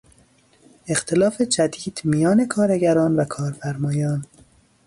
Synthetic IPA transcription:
e̞xt̪ʰe̞lɒːfe̞t͡ʃæd̪iːd̪̥mijɒːne̞kʰɒːɾeɟæɾɒːnvækʰɒːɾfæɾmɒːjɒːn

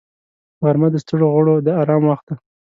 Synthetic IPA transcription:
ɣaɾmad̪əst̪əɽoɣʊɽod̪əaɾɑmwaxt̪̚d̪a

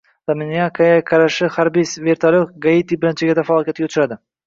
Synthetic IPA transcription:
d̪̥amɪnijakʰajakʰaɾaʃɪhaɾbisveɾt̪ʰalʲokɡait̪ibɪɾɪnt͡ʃʰɪɡʲad̪afaɒːlˠkʲjat̪ɡʲaʊt͡ʃʰɾad̪ɪ

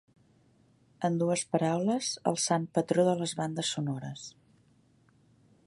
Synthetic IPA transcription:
ənd̪uəspəɾawləzə̰lˠsampət̪ɾoðələzβand̪əsːunɔɾəs

